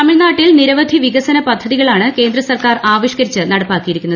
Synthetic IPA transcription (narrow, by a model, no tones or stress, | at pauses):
t̪ɐmiɭnaːʈːilniɾɐʋɐd̪ʱiʋiɣɐsɐnɐpɐd̪ʱːɐðiɣɐɭaːɳɨke̞ːnd̪ɾɐsɐrkaːraːʋiɕkɐɾit͡ɕːɨnɐɽɐpːaːkːijiɾikʲːunːɐð